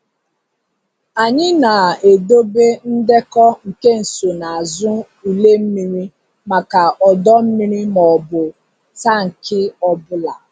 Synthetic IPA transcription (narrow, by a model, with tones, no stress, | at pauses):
a˨ɲɪ˦na˨e˨do˦be˦n̩˦de˦kɔ˦ŋ̩˨ke˦n̩˨so˨na˨a˨zʊ˦ | i˨le˦m̩˦mi˨ɾi˦ | ma˨ka˨ɔ˨dɔ˦m̩˦mi˦ɾi˦mɔ˨bʊ˨ | ta˦˨ŋ̩˨kɪ˦ɔ˦bʊ˦la˨